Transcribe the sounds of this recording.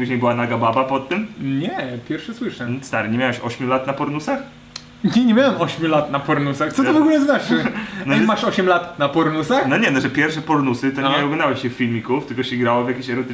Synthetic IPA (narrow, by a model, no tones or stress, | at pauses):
uʑɲejbɨwanaɡababapɔt̪ːɨmɲɛpʲjɛɾfʂɛswɨʂɛst̪aɾɘɲemʲawɛɕɔɕmʲulat̪napɔɾnusax | ɲʲɛɲɛmʲjawɛmɔɕmʲjulat̪napɔɾnusaxt̪sɔt̪ɔvɔɡulɛznat͡ʂɘnɔɛmaʂɔɕɛmlat̪napɔɾnusaxnɔɲɛnɔʐɛpʲjɛɾfʂɛpɔɾnusɨt̪ɔɲɛɔɡɔnd̪awɛɕɕɛffʲilmʲikuft̪ɘlkɔɕɛɡɾawɔvʲjakʲeɕɛɾɔt̪